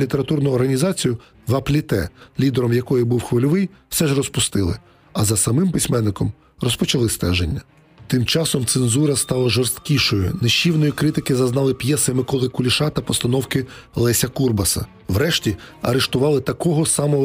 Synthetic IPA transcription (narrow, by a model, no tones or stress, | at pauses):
lʲit̪eɾɐt̪urnʊɔrɦɐnʲizɑt͡sʲijʊ | ʋɐplʲit̪ɛ̰lʲid̪eɾɔmjɐkɔjibuwxʋɪlʲʊʋɪjw̥sɛʒrɔspʊst̪ɪlˠɪ̰ | ɐzɐsɐmɪmpɪsʲmɛnːɪkɔm | rɔspɔt͡ʃɐlˠɪst̪ɛʒenʲːɐ | t̪ɪmt͡ʃɑsɔmt̪senzuɾɐst̪ɑlˠɐʒɔrst̪kʲiʃɔjʊ̰neʃt͡ʃːiwnɔjikɾɪt̪ɪkɪzɐznɑlˠɪpjɛsɪmɪkɔlˠɪkʊlʲiʃɑt̪ɐpɔst̪ɐnɔwkɪ | lˠɛsʲɐkurbɐsɐ̰ | wɾɛʃtʲiɐɾeʃt̪ʊʋɑlˠɪt̪ɐkɔɦɔsɑmɔɔ